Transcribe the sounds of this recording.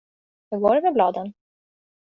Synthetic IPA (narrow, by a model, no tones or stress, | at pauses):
hɵɡoːɾɛvɛblɑːd̪ən